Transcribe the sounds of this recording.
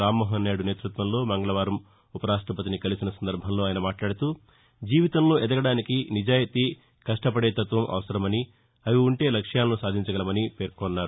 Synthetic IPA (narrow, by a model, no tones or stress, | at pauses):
ɾaːmːɔːɦɐnːeːɽune̞ːt̪ɾut̪ʋɐmlo̞ːmɐŋɡɐɭɐʋaːɾɐm | upɐɾaːʂʈɾɐpɐt̪̬inikɐlisinɐsɐnd̪ɐɾbʱɐmloːaːjɐnɐmaːʈlaːɽɐt̪uː | d͡ʒiːʋit̪ɐmloːɛd̪ɐɡɐɽaːnikinid͡ʒaːjit̪iː | kɐʂʈɐpɐɽe̞ːt̪ɐt̪ʋɐmʔɐ̰ʋɐsɐɾɐmɐni | ɐjuːɳʈe̞ːlɐkʂjaːlɐnusaːd̪ʱiɲt͡ʃɐɡɐlɐmɐnipeːɾkonːaːɾu